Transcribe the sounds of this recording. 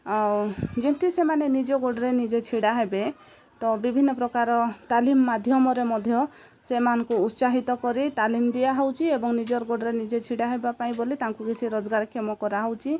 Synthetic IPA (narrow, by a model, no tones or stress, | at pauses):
ad͡ʒint̪isemanenid͡ʒɔɡoɽɔɾenid͡ʒet͡ʃʰiɽaɦebe | t̪ɔbibʱinːɔpɾɔkaɾɔt̪alimːad̪ʱjɔmɔɾemɔd̪ʱjɔ | semanɔŋkuːt̪saɦit̪ɔkɔɾit̪alimd̪ijaɦɔwt͡ʃʰiebɔŋnid͡ʒɔɾɡoɽɔɾenid͡ʒet͡ʃʰiɽaɦebapaĩbolit̪aŋkukit͡ʃʰiɾɔd͡ʒɡaɾkʰemɔkɔɾaɦowt͡ʃʰi